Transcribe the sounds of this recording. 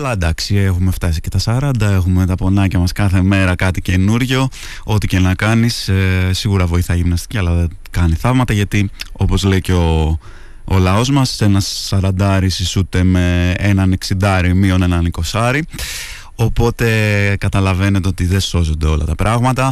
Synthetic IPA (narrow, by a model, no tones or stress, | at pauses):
ɐlɐd̪ɐksie̞xume̞ft̪ɐsi̥ce̞t̪ɐsɐɾɐnd̪ɐe̞xumet̪ɐpo̞nɐcɐmɐskɐθe̞me̞ɾɐkɐt̪ice̞nuɾʝo̞ | o̞t̪icennɐkɐnissiɣuɾɐvo̞iθɐʝimnɐst̪i̥ciɐlɐe | kɐniθɐvmɐt̪ɐʝɐt̪io̞po̞zleiceo̞ː | lɐo̞zmɐse̞nɐsːɐɾɐnd̪ɐɾisisut̪e̞me̞enɐneksind̪ɐɾimio̞ne̞nɐniko̞sɐɾi | o̞po̞t̪e̞kɐt̪ɐlɐve̞ne̞t̪eo̞t̪iðe̞so̞zond̪e̞o̞lɐ̰t̪ɐpɾʔɐɣmɐt̪ɐ